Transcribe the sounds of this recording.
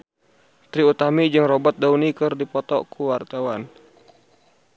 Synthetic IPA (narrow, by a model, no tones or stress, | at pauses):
t̪ɾiut̪amid͡ʒɨŋrɔbɔt̪̚daunikɨrdipɔt̪ɔkʰuwart̪awan